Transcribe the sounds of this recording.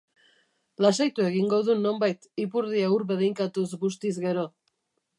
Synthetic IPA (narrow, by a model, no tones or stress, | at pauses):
lasajt̪ue̞ɣiŋɡo̞ðuno̞mbajt̪ipuɾðiauɾβe̞ðiŋkat̪uzɣus̬t̪izɣe̞ɾo̞